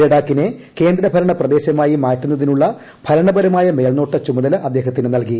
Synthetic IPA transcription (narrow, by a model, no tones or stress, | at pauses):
eɽaːkːineke̞ːnd̪ɾɐbʱɐɾɐɳɐprɐd̪e̞ːɕɐmaːjimaːtːun̪ːɐðinuɭːɐ | b̥ʰʱɐlɐɳɐbɐɾɐmaːjɐme̞ːɭno̞ːʈːɐt͡ɕumɐðɐlɐʔɐd̪ːe̞ːɦɐt̪ːinɨnɐlki